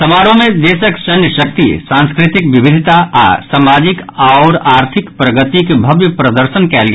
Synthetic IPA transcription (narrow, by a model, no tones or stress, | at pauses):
sɐmaːɾõmẽd̪eːsəkt͡ʃɐnjəʃɐk̚t̪ḭsãːnskɾɪt̪ɪkʋɪbɪd̪ʱɪt̪aʔa̰saːmaːd͡ʒɪkaːɾaːɾt̪ʰɪkpɾəɡət̪ikebʱɐbjəpɾɐd̪əɾʃənkɛːlɡ